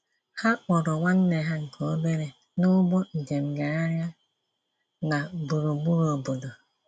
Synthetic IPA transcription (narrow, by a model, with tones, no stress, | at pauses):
ha˦wɔ˨ɾɔ˨wa˦n˦ne˨ɦa˦ŋ̩˨kʰo˨˦le˦ɾe˨ | no˦bɔ˦n̩˨d͡ʒe˨mɡa˨ɾa˦ɾja˦ | na˨bu˨ɾo˨bu˦ɾo˨bo˨do˨